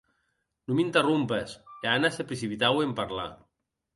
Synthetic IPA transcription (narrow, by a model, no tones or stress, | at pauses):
numint̪erumpeseanasepɾesipit̪awempaɾla̰